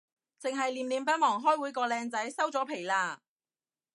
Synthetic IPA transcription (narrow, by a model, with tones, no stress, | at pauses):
t͡sɪ˨ŋɦɐ˨jliː˨mliː˨˧mpɐ˥t̚mɔː˨˩ŋɦɔː˥jwuː˨˥jkɔː˧lɛː˧ŋt͡sɐ˨˥jsɐ˥wt͡sɔː˨˥pʰe˨˩jlaː˧